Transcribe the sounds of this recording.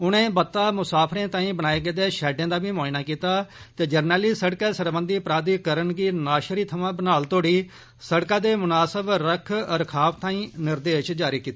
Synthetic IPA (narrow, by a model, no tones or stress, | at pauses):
ʊnẽːbət̪ːaːmʊsaːpʰɾẽːt̪ãːĩːbənaːeːɡəd̪eːʃɛːɖẽːd̪aːbiːmoːɪnaːkiːt̪aːt̪eːd͡ʒəɾnəːliːsəɽkɛːsəɾbənd̪iːpɾaːd̪iːkəɾənɡiːnaːʃɾiːt̪ʰəmãːbənaːlt̪oːɽiː | səɽkãːd̪eːmʊnaːsəbɾəkʰəɾkʰaːpʰt̪ãːĩːnɪɾd̪eːʃd͡ʒaːɾiːkiːt̪aaː